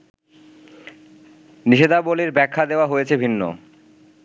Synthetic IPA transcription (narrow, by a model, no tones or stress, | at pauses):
niʃed̪aboliɾbɛkʰːad̪eoaɦojet͡ɕʰebʱinːo̰